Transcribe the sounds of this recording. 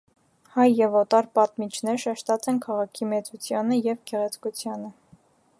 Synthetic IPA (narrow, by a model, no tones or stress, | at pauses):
hɑjːɛvɔt̪ɑɾpɑt̪mit͡ʃʰnɛɾʃɛʃt̪ɑt͡sɛnkʰɑʁɑkʰimɛt͡sut͡sʰjɑnəjɛvɡɛʁɛt͡sʰkut͡sʰjɑnə